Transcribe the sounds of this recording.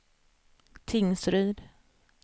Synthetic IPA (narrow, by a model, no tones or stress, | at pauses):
t̪ʰɪŋsɾʏːd̪